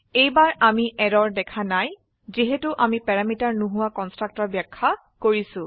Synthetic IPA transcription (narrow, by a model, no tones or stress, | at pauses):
ejbaɹamiʔɛdɔɹdɛkʰanaj | ziɦetuʔamipɛɹamitaɹnuɦʊwakɔnstɹak̚tɔɹbjakʰːa | koɹisʊ̃